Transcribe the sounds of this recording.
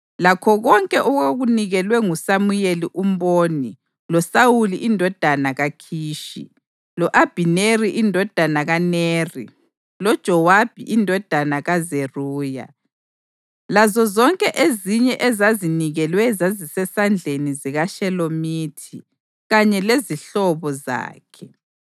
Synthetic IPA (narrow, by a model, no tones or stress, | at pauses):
lakʰɔɣɔŋkʼɛʔuɣoɣuniɣɛlwɛŋusamujeliʔum̩boːni | lɔsawuliʔindʱɔd̥ʱanaɣakʰiːʃḭ | lɔʔab̥ʱineriʔindʱɔd̥ʱanaɣaneːrḭ | lɔd̥ʒ̥ʱɔwab̥ʱiʔindʱɔd̥ʱanaɣazeruːja̰ | lazɔzɔŋkʼɛʔeziɲɛʔɛzaziniɣɛlwɛzazisɛsand͡ɮʱeniziɣaʃɛlomiːtʰi | ɣaɲɛleziɬɔβɔza̰ːkʰɛ